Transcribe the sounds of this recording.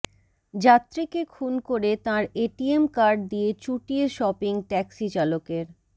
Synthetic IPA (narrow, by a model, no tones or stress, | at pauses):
d͡ʑat̪ːɾikekʰunkoɾet̪ãɾeʈiemkaɾɖ̚d̪iet͡ɕuʈieʃɔpiŋʈɛksit͡ɕalokeɾ